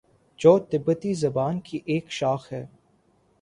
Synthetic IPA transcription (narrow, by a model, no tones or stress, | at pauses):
d͡ʒɔːd̪ɪbːət̪izɐbaːnkiʔeːkʃaːxɦɛː